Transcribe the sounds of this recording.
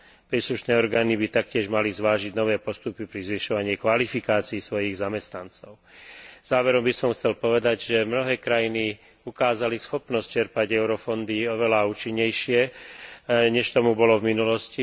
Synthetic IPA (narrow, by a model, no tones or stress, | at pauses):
pɾiːsluʃnɛːɔɾɡaːnibit̪ak̚cɪɛʒmalizʋaːʒiɟnɔʋɛːpɔst̪upipɾizʋiʃɔʋaɲɪɛkʋalifikaːt͡siːsʋɔjiɣzamɛst̪nant͡sɔʊz̥aːʋɛɾɔmbisɔmxt͡sɛlpɔʋɛd̪aɟʒɛmnɔɦɛːkɾajini | ukaːzalisxɔpnɔsc̚t͡ʃɛɾpaɟɛʊɾɔfɔnd̪iɔʋɛlauːt͡ʃiɲːɛjʃɪɛ | ɲɛʃt̪ɔmubɔlɔvminulɔsci